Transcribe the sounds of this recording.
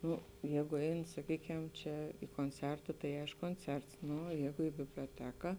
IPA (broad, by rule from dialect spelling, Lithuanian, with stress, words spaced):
ˈnʊ ˈjæːɡʊ ˈɛɪn sɐˈkʲiːkʲɛm ˈt͡ʃʲɛ ɪ koːnʲˈt͡sʲɛrtɐ tɐɪ ˈɐɪʃkʊ koːnʲˈt͡sʲɛrts ˈnʊ oːˈjæːɡʊ ɪ bʲɪbʲlʲoːˈtʲæːkɐ